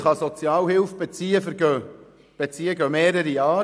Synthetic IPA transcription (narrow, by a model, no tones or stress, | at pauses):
χɑsot͡sjɑːlhɪlfb̥ɛt͡siːəfəɾɡ̥ø | b̥et͡siːəɡœmeːɾəɾiɑː